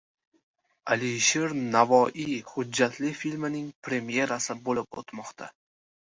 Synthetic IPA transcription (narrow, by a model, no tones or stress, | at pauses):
aliʃe̞ɾnavɒʔihʊd͡ʒːat̪ʰlɪfilʲmɪnɪŋpʰɾe̞mje̞ɾasɪbolɪpo̰t̪mɒqt̪ʰa̰